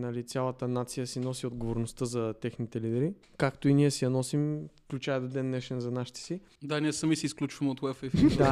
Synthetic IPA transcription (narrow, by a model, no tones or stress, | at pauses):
nɐlit̪sʲjalˠət̪ənat̪sijəsinɔsiod̪ɡovoɾnost̪əzɐt̪ɛxnit̪ɛlid̪ɛɾi | kakt̪oiniɛsɛjɐnɔsimfklʲut͡ʃajɛd̪od̪ɛnːɛʃɛnzɐnaʃi̥t̪ɛ̥si | d̪anʲiɛsɐmisɛisklʲut͡ʃvɐmɛot̪wɛfɛfid̪a